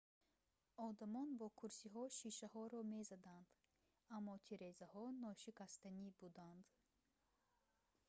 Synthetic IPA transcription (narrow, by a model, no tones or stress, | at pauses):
ɔd̪amɔnbɔkʰuɾsiɦɔʃiʃaɦɔɾɔme̞zad̪and̪̥ | amːɔt̪ʰiɾezahɔnɔʃikʰast̪anibud̪and̪